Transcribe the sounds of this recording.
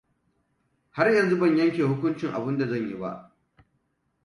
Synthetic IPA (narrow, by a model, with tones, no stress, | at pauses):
ha˦rjɐ˨nzu˦bɐ˦˨ɲjɐ˦ŋkʲeː˨hʊ˦kʷʊ˦nt͡ʃɪ˨ŋʔa̰˨bɪ˦nda˨zɐ˦˨ɲji˦ba̰˦ʔ